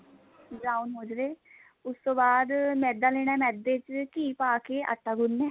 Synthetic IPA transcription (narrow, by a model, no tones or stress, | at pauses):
bɾaːunɦoːd͡ʒɾeː | ʊst̪õːbaːd̪mɛ̃ːd̪aːleːɽ̃aːmɛːd̪ːeːt͡ʃkiːpaːkeːʔə̰ʈːaːɡʊnːɛː